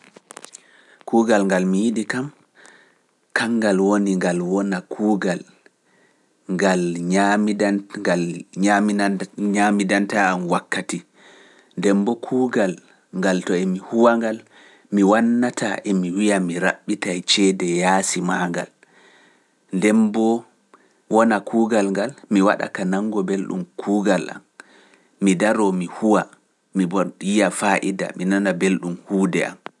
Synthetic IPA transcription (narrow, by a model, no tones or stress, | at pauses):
kuːɡalŋɡalmijiɗikam | kaŋɡalwoniŋɡalwɔnakʰuːɡal | ŋɡalɲamalɲamɲamidantaːmwakːati | dɛmbɔkʰuːɡal | ŋɡaltɔɛmihuwaŋɡal | miwanːatʰa̰ʔɛmiwijamiɾa̰ɓːitajt͡ʃɛdɛjaːsimaŋɡa̰l | ndɛmbɔ | wɔnakʰuːɡalŋɡalmiwa̰ɗa̰kanaŋɡɔbelɗṵmkʰuːɡalʔa̰mː | idaɾɔmihuwa | mibɔwijafaʔida̰minanabelɗumhuːdɛ̰ʔa̰m